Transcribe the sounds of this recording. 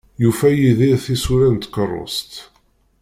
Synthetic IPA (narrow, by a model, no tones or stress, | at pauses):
jufæjiðiɾθisuɾænt̪kərˤːo̰st̪